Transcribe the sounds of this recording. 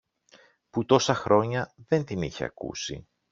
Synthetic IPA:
put̪o̞sɐxɾo̞ɲɐðe̞nt̪iniçḛɐ̰kṵsḭ

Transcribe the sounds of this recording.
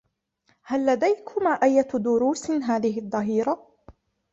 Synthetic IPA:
halːad̪ajkʰʊmaʔajːad̪ʊɾuːsɦaːðɪɦɪʔðˤːɑɦiːɾa

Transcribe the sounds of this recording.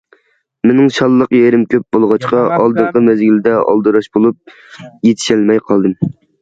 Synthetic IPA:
mɪnɪŋʃɑlˠːəqjeɾɪmkʲʰøp̚bolˠʁɑt͡ʃqɑɑlˠd̪ɨɴqəmɛzɡʲild̪ɛɑ̰lˠd̪ɨɾɑʃbolˠup̚ | jet̪ʰɪ̥ʃɛlmɛjqʰɑlˠd̪ɨm

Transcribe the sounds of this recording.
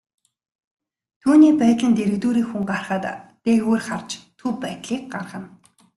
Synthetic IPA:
t̪ʰuːniːpæːt̪ɮə̆nt̪eɾɘ̆ɣt̪uːɾiːxuŋɢarχə̆ːt̪ː | eːɣoːrχart͡ɕt̪ʰupæːt̪ɮiːk̚ɢarʁə̆n

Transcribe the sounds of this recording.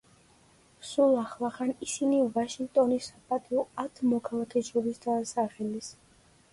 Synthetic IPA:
sulˠaχlˠaχanisinivaʃiŋɡ̚t̪ʼɔnisapʼat̪ʼiɔat̪ʰmɔkʰalˠakʰɛʃɔɾisd̪asaχɛlis

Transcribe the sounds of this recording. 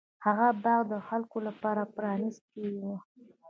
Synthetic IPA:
haɣabɑɣd̪əxalkolapɑɾapɾɑnist̪̚kəwiwu

